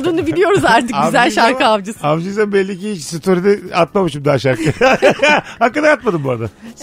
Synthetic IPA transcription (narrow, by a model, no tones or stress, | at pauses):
d̪uːnubilʲijo̞ɾuzaɾt̪ʰɯkɡyzælʲʃaɾkʰɯamd͡ʒɯsamd͡ʒɯzambɛlʲːiciit͡ʃsɯt̪ʰuɾid̪ɛat̪̚mamɯʃɯmd̪aːʃaɾkʰɯ | hakːad̪aat̪mad̪ɯmboɾad̪a